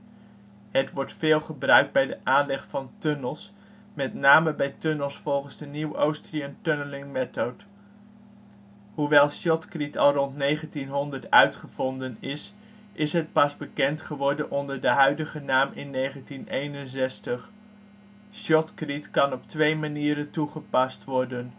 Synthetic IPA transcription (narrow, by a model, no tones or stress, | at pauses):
ɦətʋɔɹtfɪːlˠχəbrœɥk̚d̚bɛjdəʔaːnlɛχfɑntønəlˠs | mɛtnaːməbɛjtønəlˠsfɔlˠχənzdəniwowstriantønəlɪŋmɛtowt | ɦuʋɛlˠʃɔtkritɑlˠrɔntnejχəntinɦɔndəɹtœɥtχəvɔndənɪs | ʔɪsɦət̚pɑsbəkɛntχəʋɔɹdənʔɔndəɹdəɦœɥdəχənaːmɪnːejχəntinejnənzɛstəχ | ʃɔtkritkɑnɔptʋejmaniːɾəntuχəpɑstʋɔɹdən